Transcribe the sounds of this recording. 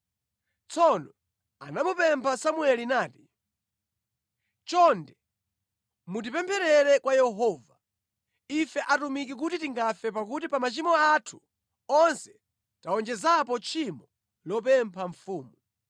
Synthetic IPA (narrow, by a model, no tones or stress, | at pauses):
t͡sʰɔnɔ | a̰namɔpɛmpʰasamuɛlinaːti̥ | t͡ʃɔndɛ | mut̬ipɛmpʰɛɾɛɾɛkwajɛɦɔːva | ifɛʔatumik̬ik̬utitiŋɡafɛp̬akutipamat͡ʃimɔatʰu̥ | ɔnsɛ̥ | taɔnd͡ʒɛzapɔt͡ʃʰimɔ | lɔp̬ɛmpʰaɱfuːmu